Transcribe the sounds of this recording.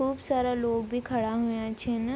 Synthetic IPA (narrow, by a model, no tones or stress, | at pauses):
uːbsaːɾaloːɡbʱikʰɐɽaɦʊjãt͡ʃʰen